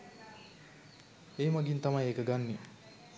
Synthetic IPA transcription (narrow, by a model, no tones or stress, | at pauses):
eːmaɡint̪amajekəɡanːi